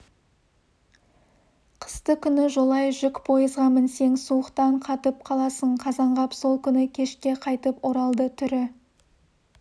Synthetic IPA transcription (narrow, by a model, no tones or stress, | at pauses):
qʰə̥st̪əkʲʰʏnɪʒo̞lˠɑjʒʏkpʰo̞jəzʁɑmənse̞ŋsuəqt̪ɑɴqʰɑt̪əp̚qʰɑlˠɑsəɴqʰɑzɑɴʁɑpso̞lˠkʲʰʏnɪkʲʰe̞ʃkʲe̞qʰɑjt̪əpoɾɑlˠd̪ət̪ʰʏɾɪ